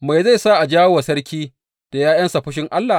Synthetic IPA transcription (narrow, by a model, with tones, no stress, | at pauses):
ma˨jza˦˨jsa˦ʔa˨d͡ʒaː˦wa˨sɐ˦ɽkʲiː˦ | d̥a˨jaː˦jɐ˦nsa˨ɸʊ˦ʃ̬ɪ˦ŋʔa˦lːa˨